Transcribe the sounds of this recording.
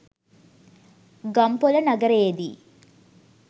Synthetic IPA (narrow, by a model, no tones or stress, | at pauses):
ɡɐmpolɐnɐɡɐɾejːd̪i